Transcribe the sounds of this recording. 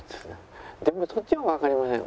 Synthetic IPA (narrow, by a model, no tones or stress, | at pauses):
d̪e̞mosot͡ɕːimaβakaɾʲimasḛ̃